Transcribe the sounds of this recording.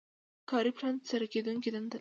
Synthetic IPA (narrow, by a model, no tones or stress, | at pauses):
kɑɾiplɑnd̪saɾaked̪uŋkid̪and̪a